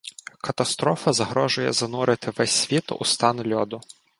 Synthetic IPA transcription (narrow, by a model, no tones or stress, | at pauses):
kɐt̪ɐst̪ɾɔfɐzɐɦɾɔʒʊjɛzɐnuɾɪt̪ɪʋɛsʲːʋʲit̪ṵst̪ɑnlʲɔd̪ʊ